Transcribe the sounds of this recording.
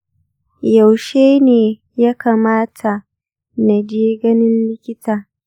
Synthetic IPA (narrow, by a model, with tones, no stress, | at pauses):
ja˨wʃeː˦neː˨ | ja˦kaː˨maː˦tʰa˨ | na˨d͡ʒeː˦ɡɐ˦nɪ˦nlɪ˦kʲɪ˦taː˨